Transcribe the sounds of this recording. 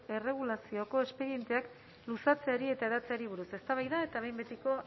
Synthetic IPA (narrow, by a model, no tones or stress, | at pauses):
e̞re̞ɣ̞ulasio̞ko̞e̞spe̞ɾie̞nt̪e̞ak | lusat͡se̞aɾie̞t̪ae̞ðat͡se̞aɾiβ̞uɾuse̞st̪aβ̞ajðae̞t̪aβ̞ejmbet̪iko̞